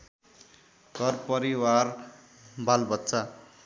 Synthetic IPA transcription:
ɡʱʌrpʌɾiwar | balbʌt̪ːsa

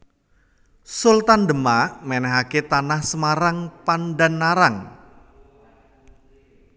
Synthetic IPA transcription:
sult̪andəmamɛnɛɦaket̪anahsəmaɾaŋpanɖanːaɾaŋ

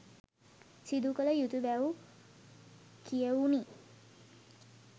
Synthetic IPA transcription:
sid̪ukələjut̪jubaw | kijəwni

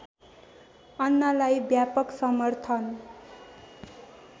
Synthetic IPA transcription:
ʌnːʌlajbjapʌksʌmʌrt̪ʰʌn

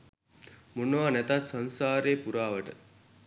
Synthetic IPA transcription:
munːʋaːnɛt̪at̪sɐnsaːɾeːpuɾaːʋəʈə̰

